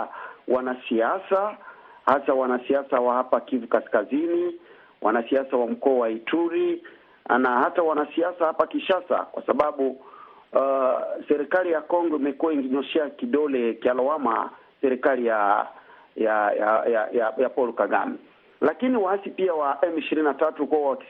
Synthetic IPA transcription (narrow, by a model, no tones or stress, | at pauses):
wanasiasa | hasawanasiasawahapakivukaskazini | wʔa̰nasiasawam̩kɔːwaitʰuɾi | a̰nahatawanasiasahapakiʃasa̰kwa̰saɓaɓu | sɛɾikalijakɔŋɡɔimɛkuwaiŋɡɛɲɔʃɛakiɗɔlɛkialɔwama̰ | sɛɾikalija | jaajajajapɔlukaɡa̰mi | lakiniwaasipiawaʔɛmiʃiɾininatatukuwaki